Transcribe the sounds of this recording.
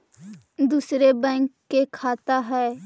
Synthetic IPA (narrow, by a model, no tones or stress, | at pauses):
d̪uːsɾebɛ̃ːŋkːekʰaːt̪aɦɛː